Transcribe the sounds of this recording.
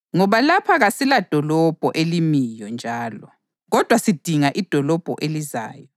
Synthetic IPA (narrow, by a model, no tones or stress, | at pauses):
ŋɔβalapʰaɣasilad̥ʱɔlɔb̥ʱɔʔelimijɔnd͡ʒʱaːlɔ | ɣɔd̥ʱwasid̥ʱiŋaʔid̥ʱɔlɔb̥ʱɔ̰ʔeliza̰ːjɔ